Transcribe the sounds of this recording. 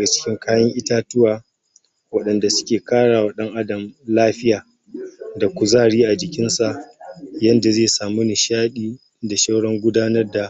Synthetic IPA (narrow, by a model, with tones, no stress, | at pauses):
ɡa˨t͡ʃɪ̥˦kʲɪ˦ŋkʰaː˦jɐ˦ŋʔɪ˦taː˦tʊ˦waː˨ | wɐ˦ɗɐ˨nda˨sʊ̥˦kʲeː˨kaː˦ɽaː˨wɐ˦˨ɗɐ˦ŋʔa˦dɐ˨mlaː˦ɸɪ˦jaː˨ | da˨kʷʊ˨zaː˦˨ɽiː˦ʔa˨d͡ʒɪ˨kʲɪ˦nsa˨ʔjɐ˦nda˨zeː˦˨saː˨mu˦nɪ˨ʃaː˦ɗiː˦ | da˨ʃa˦wɽɔ˦ŋɡʷʊ˦daː˦nɐ˦rda˨ʔ